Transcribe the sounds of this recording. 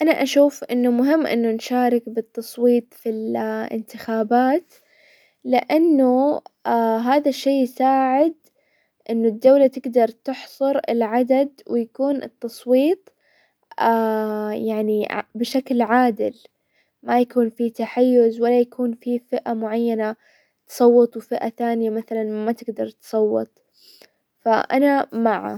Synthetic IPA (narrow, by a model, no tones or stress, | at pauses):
ʔanaʔaʃuːfʔɪnːʊmʊɦɪmːʔɪ̰nːʊnʃaːɾɪkbɨt̪ːɑsˤwiːt̪ˤfilʔɪ̰nt̪ɪxaːbaːt̪ | lɪʔanːu | ɦaːðaʃːeːjsaːʕɪd̪ | ʔɪnːʊd̪ːawlat̪ɪɡd̪ɑɾˤt̪ɪħsˤʊɾɪ̰lʕad̪ad̪wɪjakuːnʔɨ̰t̪ːɑsˤwiːt̪ˤ | ajaʕnibɪʃaklʕaːd̪ɪ̰l | majakuːnfit̪aħajːʊzwalːajakuːnfifɪʔamʊʕajːana | t̪sˤɑwːɨt̪ˤwfɪʔaθaːnɪjamaθalanmat̪ɪɡd̪ɑɾˤt̪sˤɑwːɑ̰t̪ˤ | fa̰ʔa̰namaʕa̰